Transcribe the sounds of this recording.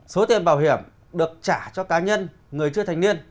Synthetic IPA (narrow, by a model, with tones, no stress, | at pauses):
so˨˦t̪i˨˩əmɓaː˧˩wɦi˧˩əm | ɗɨ˨˩ək̚t͡ɕaː˧˩t͡ɕɔ˧kaː˨˦ɲə˧n | ŋɨ˨˩əjt͡ɕɨ˧ət̪ʰa˨˩ŋ̟ni˧ən